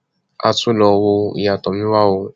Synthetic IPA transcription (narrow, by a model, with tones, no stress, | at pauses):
a̰˧tũ˦lɔ˧wo˧ḭ˨ja˨tɔ˨mĩ˦wa˦˨wo˧